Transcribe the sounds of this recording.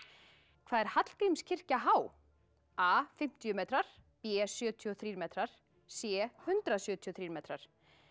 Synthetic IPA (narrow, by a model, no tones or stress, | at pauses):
kʰvaːðɛɾ̥hat̪l̥kɾimscʰɪr̥caɦaːw | aːfɪm̥t̪jʏmɛːt̪ɾaɾ̥pɛːsjœːt̪ʰiɔθɾiːɾmɛːt̪ɾaɾ̥ | sjɛːhʏnt̪ɾasjœːt̪ʰijɔθɾiːɾmɛːt̪ɾa̰ɾ̥